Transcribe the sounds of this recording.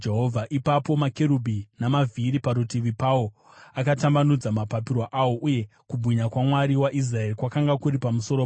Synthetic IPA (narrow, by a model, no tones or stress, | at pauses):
d͡ʒeɦovʱaʔipapo̞makeɾubʱinamavʱiɾipaɾutiʋipawo | akatambanud͡zamapapirwaʔawo̞ʔuje̞ | kubʱiɲakwamwaɾiwaʔis̬rae̞rikwakaŋɡakuɾipamuso̞ɾo